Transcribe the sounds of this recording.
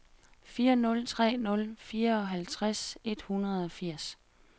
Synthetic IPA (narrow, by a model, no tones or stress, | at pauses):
fiːɐnɔ̽lt͡sʰʁɛ̰ːnɔ̽lfiːɐɒ̽ɦælt͡sʰʁase̝d̥hunʁɐðˠɒ̽fiɐ̰s